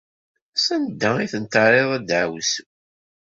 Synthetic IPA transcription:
sænd̪ːæiθənt̪əɾˤeðˤæd̪ʕws

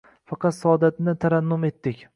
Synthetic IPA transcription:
fɑqɑt̪sɒːd̪at̪nɪt̪ʰaɾanːʊme̞t̪ːɪkʲ

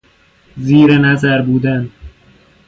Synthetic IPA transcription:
ziːɾenæzæɾbuːd̪æn

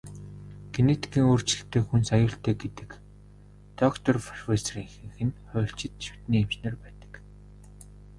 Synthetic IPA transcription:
ɡenet̪ʰi̥kiːŋoːr̥t͡ɕɪ̆ɬt̪ʰeːxunsajʊːɬt̪eːɡet̪ɘ̆k | t̪ɔkt̪ʰɔrfɔrfesriːŋxɘ̆ŋxɘ̆nχʊːɬt͡ɕɪ̆t̪ʃu̥t̪niːemt͡ɕnə̆rpæːt̪ə̥̆k

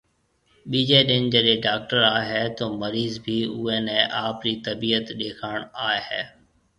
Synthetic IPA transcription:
ɓiːd͡ʒeːɗɪnd͡ʒəɗẽːɖaːk̚ʈəɾaːɦɛːt̪oːməɾiːzbʱiːʊːeːnɛ̃ːʔaːpɾiːt̪əbiːət̪ɗeːkʰaːɳaːeɦɛː

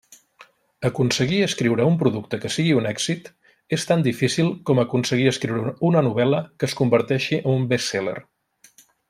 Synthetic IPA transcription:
əkunsəɣiəskɾiwɾəumpɾuðuk̚t̪əkəsiɣiunɛkz̥it̪ | est̪and̪ifisilˠkɔməkunsəɣiəskɾiwɾəunənuβɛləkəːskumbəɾt̪ɛʃiʔənumbeselə̰r

